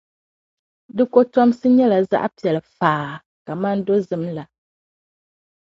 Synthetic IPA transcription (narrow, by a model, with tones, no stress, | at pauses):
dɨ˦ko˦tɔ˦m˦sɨ˦ɲɛ˦la˨za̰˦ʔpi˨ɛ˨lɨ˨faː˨ | ka˨ma˦n˦do˦zɨ˨˦mla˨